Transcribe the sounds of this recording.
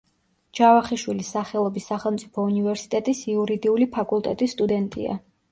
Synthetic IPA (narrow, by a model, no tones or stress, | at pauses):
d͡ʒavaχiʃwilisːaχɛlˠɔbisaχɛlˠmt̪sʼi̥pʰɔunivɛɾsi̥t̪ʼɛt̪ʼisiuɾid̪iulipʰakʼulˠt̪ʼɛt̪ʼisːt̪ʼud̪ɛnt̪ʼḭa̰